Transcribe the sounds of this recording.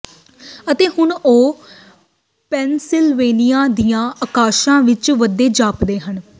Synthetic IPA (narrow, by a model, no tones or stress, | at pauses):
ət̪eːɦʊnoː | pɛːnsɪlʋeːnɪjãːd̪ijãːʔəkaːʃãːʋɪt͡ʃʋəd̪ːeːd͡ʒaːpd̪eːɦən